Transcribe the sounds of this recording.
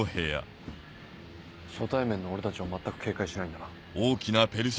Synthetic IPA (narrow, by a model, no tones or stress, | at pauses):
ohe̞ːja̰ | sot̪aimẽ̞nːoːɾe̞t̪at͡ɕiβamat̪ːakɯ̟ke̞ːkaiɕinaĩnd̪aɾa | oːkʲinape̞ɾɯs